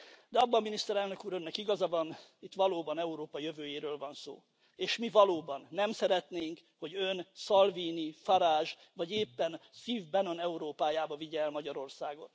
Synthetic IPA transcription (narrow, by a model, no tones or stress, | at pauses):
d̪ɛɒbːɒminist̪ɛɾɛlnø̞kuːɾønːɛkiɡɒzɒvɒnit̪ʋɒloːbɒnɛuɾoːpɒjøvøːjeːɾøːlvɒnso̰ː | eːʃmivɒloːbɒnːɛmsɛɾɛt̪neːŋkho̞ɟønsɒlviːnifɒɾaːʒ | vɒɟeːpːɛnsiːvbɛno̞nɛuɾoːpaːjaːbɒviɟɛːlmɒɟɒɾo̞rsaːɡo̞̰n